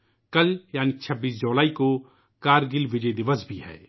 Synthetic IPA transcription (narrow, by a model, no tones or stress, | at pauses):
kɐljaːnit͡ʃʰəbːiːsd͡ʒoːlaːiko | kaːɾɡɪlʋɪd͡ʒəjd̪ɪʋəsbʱiɦɛ̰ː